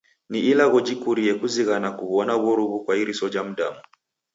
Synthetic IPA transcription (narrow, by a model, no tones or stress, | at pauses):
niilaɣɔd͡ʒikuɾiɛkuziɣanakuβɔnaβɔɾuβukwaiɾisɔd͡ʒam̩ɗamu